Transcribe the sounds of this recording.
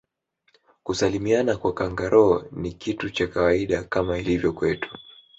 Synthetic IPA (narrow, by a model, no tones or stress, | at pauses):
kusalimianakwakaŋɡaɾʔɔːnikitut͡ʃakawaiɗakamailivjɔkwɛtu̥